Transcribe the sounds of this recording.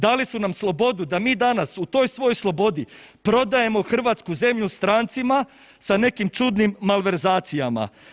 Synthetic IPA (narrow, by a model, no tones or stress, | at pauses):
d̪alisunamslˠo̞bo̞d̪ud̪amiːd̪anasut̪o̞ːjsʋo̞ojslˠo̞bo̞d̪ipɾo̞d̪aje̞mo̞xr̩ʋaːt̪skuze̞mʎust̪ɾaːnt̪sima | sane̞kimt͡ʃud̪nimːalʋe̞ɾzaːt̪sijama̰